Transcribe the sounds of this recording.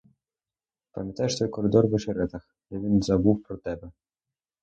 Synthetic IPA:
pɐmʲjɐt̪ajɛʂt̪ɔjkɔɾɨd̪ɔrvɨʂɛɾɛt̪ɐx | lɛvʲinzɐbuwpɾɔt̪ɛbɛ

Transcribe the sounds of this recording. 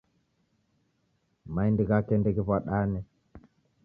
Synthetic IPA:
majndiɡakendeɡivaɗanɛ

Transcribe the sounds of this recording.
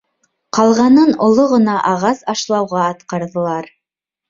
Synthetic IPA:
qʰɑlˠʁɑnɤnŏlˠoʁɤ̆nɑʔɑʁɑsɑʃlˠɑwʁɑːt̪qɑɾðɤ̆lˠɑɾ

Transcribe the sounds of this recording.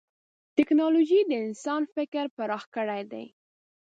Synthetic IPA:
t̪ɪknɑloʒid̪əɪnsɑnfɪkɾpaɾɑxkəɽajd̪a̰j

